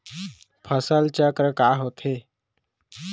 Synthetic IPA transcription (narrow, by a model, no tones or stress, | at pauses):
pʰəsəlt͡ɕakɾəkaɦot̪ʰe